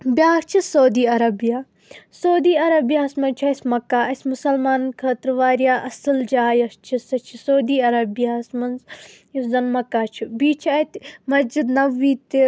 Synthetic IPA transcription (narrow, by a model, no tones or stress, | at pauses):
bʲjaːkt͡ʃʰisɐwd̪iːɐɾɐbijaː | sɐːd̪iːɐɾɐbjaːsmɐnt͡ʃʰuɐsʲmɐkːaːɐsʲmʊsɐlmaːnkʰəːt̪ɾʋaːɾjaːʔɐsɨld͡ʒaːjɐst͡ʃʰisɐt͡ʃʰisɐːd̪iːɐɾɐbijaːsmɐnz | jiszɐnmɐkːaːt͡ʃʰibiːt͡ʃʰɐt̪mɐsd͡ʒid̪nɐʋiːt̪i